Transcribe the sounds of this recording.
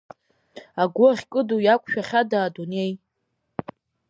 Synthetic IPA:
aɡʷʊʁʲkʼɨdujakʷʼʃᶣaχʲadaːdune̞j

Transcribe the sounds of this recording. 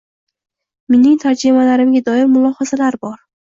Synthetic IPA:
me̞nɪŋt̪ʰaɾd͡ʒimalaɾɪmɡʲad̪ɒɪɾmʊlˠɒhɒzalaɾbɒɾ

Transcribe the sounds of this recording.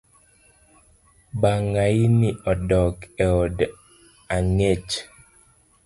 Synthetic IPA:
baŋainɪʔɔdɔkɛɔd | aŋet͡ʃ

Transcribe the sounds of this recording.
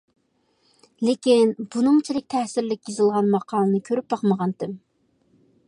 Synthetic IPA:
lekʲinbunɨŋt͡ʃʰilɪk̚ʲt̪ʰɛhsɪɾlɪkʲjizɨlˠʁɑnmɑqʰɑːlɨnɨkʲʰøɾyp̚bɑqməʁɑnd̪ɨm

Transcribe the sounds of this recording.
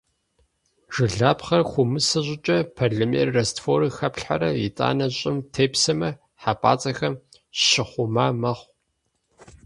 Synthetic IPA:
ʒ̥ɨɮaːpχɐrxʷʊmɨsɨʑʷʼɪt͡ʃʼɐpʰarɮɐmḛrrɐstfoːɾixɐpɬħa̰ɾɐjit͡sʼa̰ːnɐɕʼɪmtʰeːpsɐmɐ | ħapʼa̰ːt͡sʼɐxɐm | ɕɪχʷʊmaːmɐχʷ

